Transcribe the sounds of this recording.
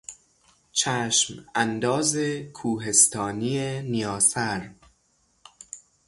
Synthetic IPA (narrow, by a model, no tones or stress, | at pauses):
t͡ʃʰæʃmænd̪ɒːzekʰuːɦe̞st̪ʰɒːniːenijɒːsæɾ